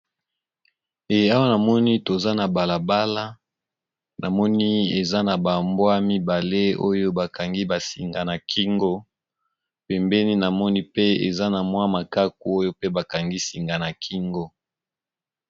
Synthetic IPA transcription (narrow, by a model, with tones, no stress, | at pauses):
e˨ja˦wa˦na˨mɔ˦ni˦to˨za˦na˨ba˨la˨ba˦la˦ | nʔa˨mɔ˦ni˦e˨za˦na˨ba˨mbwa˦mi˦ba˨le˦o˦jo˦ba˨ka˨ŋɡi˦ba˨si˨ŋɡa˨na˨kʰi˦ŋɡo˦ | pɛ˨mbɛ˦ni˦na˨mɔ˦ni˦pe˦ḛ˨za˦na˨mwa˦ma˨ka˦k̚u˨o˦jo˦pe˦ba˨ka˨ŋɡi˦si˨ŋɡa˨na˨kʰi˦ŋɡo˦